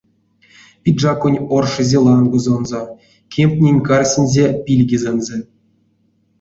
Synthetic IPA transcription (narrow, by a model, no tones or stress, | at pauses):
pʲid̪ʐɑkonʲorʂɨzʲelˠɑnɡŏzŏnzɑ | kʲʰemʲtʲnʲenʲkɑrʲsʲɘ̆nʲzʲepʲilʲɡʲizʲenʲzʲɘ̆